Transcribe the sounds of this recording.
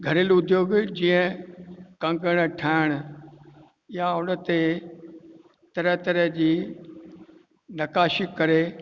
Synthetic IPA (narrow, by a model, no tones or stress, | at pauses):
ɡʱɐɾɪlʊd̪joːɡd͡ʑĩːə̃ | kɐ̃ŋɡəɽ̃ʈʰaːɪɽ̃ʊ̆ | ɪɦaʊnə̆t̪e | t̪ɐɾəɦt̪ɐɾəɦd͡ʑiː | nɐkaːʃɪkːɐɾe